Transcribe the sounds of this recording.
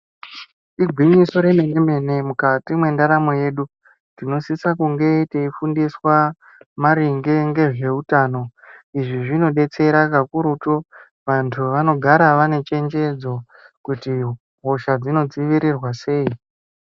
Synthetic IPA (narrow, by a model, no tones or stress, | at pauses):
iɡʱwiɲiso̞ɾe̞me̞neme̞ne̞mukatimwe̞ndaɾamo̞je̞ːɗu | tino̞sisakuŋɡe̞teifundiswa | maɾiŋɡeŋɡe̞ʐe̞utaːno̞iʐiʐino̞ɗe̞t͡se̞ɾakakuɾuto | ʋantʰuʋano̞ɡʱaɾaʋane̞t͡ʃe̞nd͡ʒe̞d͡zo̞ | kuti | ɦo̞ʃad͡zino̞d͡ziʋiɾirwase̞ːi